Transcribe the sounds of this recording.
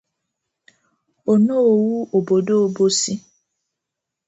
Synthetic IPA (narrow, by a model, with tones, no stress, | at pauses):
o˨no˦o˨wu˦o˨bo˨do˦o˨bo˦si˦